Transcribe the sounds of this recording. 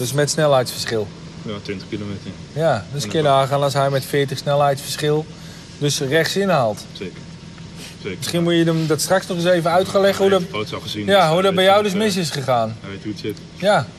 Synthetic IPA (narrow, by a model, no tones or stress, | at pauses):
d̥øsmɛtsnɛlˠɦɛjtsfərsχɪlˠ | tʋɪntəχkilometə | jadøskɪədəaːχaːnasɦɛjmɛtfɪːətəχsnɛlˠɦɛjtsfəɹsχɪlˠ | døsrɛχtsɪnəɦalˠtseːkə | mɪsχinmujədəmdɔtstraksnɔχɪsejvəœɥtχalɛχəɦudsɔχəzinjaɦudɔtbɛjɔwdøsmɪs̬ɪs̬χəχaːntusɪt | ja